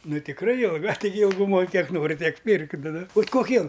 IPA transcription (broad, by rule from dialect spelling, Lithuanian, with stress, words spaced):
ˈnʊ tʲɪkˈrɐɪ jɪlˠˈɡɐ tɐɪˈɡʲɪ ɪlˠˈɡʊmoːj ˈkʲiɛk ˈnoːrʲɪ ˈtʲiɛk ˈpʲɪrk ˈnʊ nʊ bʲɛt koːˈkʲiɛ